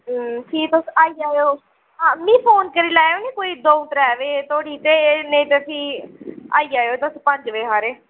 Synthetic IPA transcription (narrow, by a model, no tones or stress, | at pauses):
ʈʰiːt̪osaːiːaːjoː | ãːmĩːpʰoːnkəɾiːlaːoːnẽːkoːiːd̪oːʊt̪əɾɛːʋeːt̪oːɽiːt̪eːnẽːt̪esĩːa̰ːiːaːjoːt̪ospəɲd͡ʒʋeːɦaːɾeː